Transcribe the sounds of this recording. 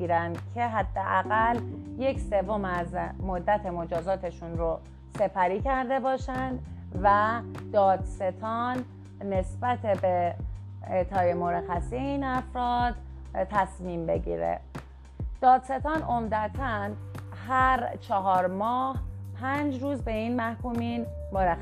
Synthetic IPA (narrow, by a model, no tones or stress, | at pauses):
iɾænd̪cʰe̞ɦæd̪̥ːeʔæɣælje̞cʰse̞vomæzmod̪ːæt̪ʰe̞mo̞d͡ʒɒːzɒːt̪ʰe̞ʃunɾo | se̞pʰæɾiːcʰæɾd̪e̞bɒːʃænd̪ | væd̪̥ɒːd̪se̞t̪ʰɒːnː | e̞sbæt̪ʰebe | et̪ʰɒːje̞moɾæxæsieiːnæfɾɒːd̪̥ | t̪ʰæsmiːmbe̞̰ɟḭːɾḛ | d̪̥ɒːd̪̥se̞t̪ʰɒːnʔomd̪æt̪ʰænɦæɾt͡ʃʰɒɦɒːɾmɒːhpʰænd͡ʒɾuːzbe̞iːnmæhkuːmiːn | moɾæx